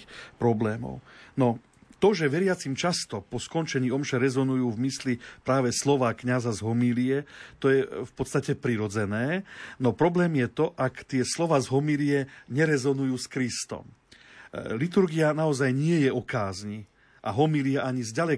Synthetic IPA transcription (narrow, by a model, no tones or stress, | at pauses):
pɾɔblɛːmɔ̰ʊnɔ | t̪ɔʒɛʋɛɾɪat͡simt͡ʃast̪ɔpɔskɔnt͡ʃɛɲiːɔmʃɛɾɛzɔnujuːvmislipɾaːʋɛslɔʋaːkɲazazɦɔmiliɛt̪ɔjɛfpɔt̪st̪acɛpɾiɾɔd͡zɛnɛːnɔpɾɔblɛːmjɛt̪ɔʔakt̪ɪɛslɔʋaːzɦɔmiliɛɲɛɾɛzɔnujuːskɾist̪ɔ̰m | lit̪uɾɡianaɔzajɲɪɛjɛɔkaːzɲi | ʔa̰ɦɔmiliaʔaɲizɟalɛ